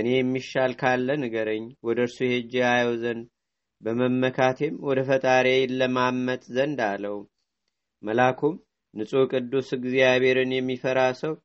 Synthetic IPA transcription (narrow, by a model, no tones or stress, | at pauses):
ʔɨne̞jɛmːiʃːalkʰalːənəɡəɾəɲːwɔd̪əɨɾsujhed͡ʒeajwɔzənd̪ | bəməmːəkʰat̪ʰemwɔd̪əfət̪ʼaɾejlːəmamːət̪ʼzənd̪alːəw | məlakʰom | nɨsʼokʼɨd̪ːusɨɡzijaβe̞ɾɨnjɛmːifəɾasəw